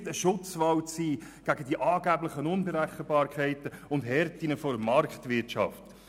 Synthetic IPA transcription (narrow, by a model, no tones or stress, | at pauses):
təʃʊt͡sʋɑwt͡siːɡ̥æɡ̥ədiʔɑːɡæblɪχənʊnbəɾæχəbɑːɾkʰɛɪtəʊndɦɛɾtinəfɔdəmɑɾkχtʋɪɾtt͡ʃɑ̰ft